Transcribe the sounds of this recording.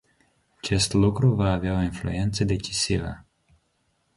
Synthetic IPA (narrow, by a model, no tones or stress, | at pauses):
at͡ʃest̪lukɾuvaːveaoinflṵent̪səd̪et͡ʃisivə̰